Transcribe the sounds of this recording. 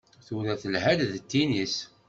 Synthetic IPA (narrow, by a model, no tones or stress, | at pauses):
θuɾæθəlɦæd̪ðt̪ːinis